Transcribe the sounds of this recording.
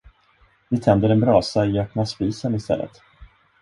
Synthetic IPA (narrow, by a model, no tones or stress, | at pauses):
vɪt̪ʰɛnd̪əɾɛnbɾɑːsaɪœpnaspiːsənɪst̪ɛ̰lːə̰t̪